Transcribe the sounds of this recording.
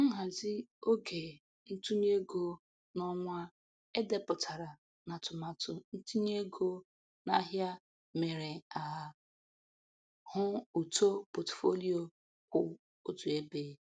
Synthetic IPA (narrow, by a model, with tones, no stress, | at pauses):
ŋ̩˦ɦa˨zɪ˦o˦ɡe˨ | n̩˦tu˦ɲe˦ɡo˦ | nɔ˦ŋʷ˦a˦ | e˦de˦pʊ˨tʰa˨ɾa˨ | na˨tʊ˨ma˨tʊ˨n̩˦tu˦ɲe˦ɡo˦ | na˦ɦja˦ | me˨ɾe˨a˨ | hʊ˦u˨to˦po˨tfo˦li˦o˨ | kʷʊ˨ | o˦tu˨e˦beː˦